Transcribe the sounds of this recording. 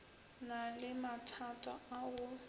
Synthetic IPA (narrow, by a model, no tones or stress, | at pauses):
nalɪmatʰatʼa̰aɣʊ